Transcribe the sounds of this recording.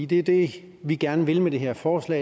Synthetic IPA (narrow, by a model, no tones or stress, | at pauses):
d̥e̝ɐd̥e̝ | ʋiɡ̥æɐnəʋe̝lmed̥e̝ɦe̝ɐ̰fɒːslɛ̰ː